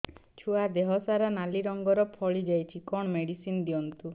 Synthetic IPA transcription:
t͡ʃʰuad̪eɦɔsaɾanaliɾɔŋɡɔɾɔpʰɔɭid͡ʒajt͡ʃʰikɔɽ̃ɔmeɽisind̪iɔnt̪u

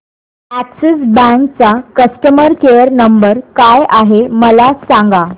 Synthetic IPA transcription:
æksesbɛ̃ŋk̚t͡sakəsʈəməɾkejəɾnəmbəɾkajʔaɦeməlasãŋɡa

